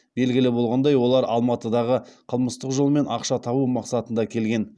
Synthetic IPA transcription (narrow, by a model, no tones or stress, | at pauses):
be̞lɡʲɪlɪbo̞lˠʁɑnd̪ɑjwo̞lˠɑɾɑlˠmɑt̪əd̪ɑʁəqʰəlˠməst̪əqʒolˠəme̞nʔɑqʃɑt̪ʰɑbumɑqsɑt̪ənd̪ɑkʲʰe̞lɡʲe̞n